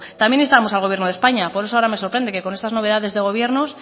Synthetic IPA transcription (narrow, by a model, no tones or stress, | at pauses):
t̪amje̞ne̞st̪amo̞salɣ̞oβje̞ɾnoðe̞spaɲapoɾesoaoɾame̞so̞ɾpɾe̞nd̪e̞ke̞ko̞ne̞st̪azno̞βeðaðe̞zðe̞ɣ̞o̞β̞je̞ɾnos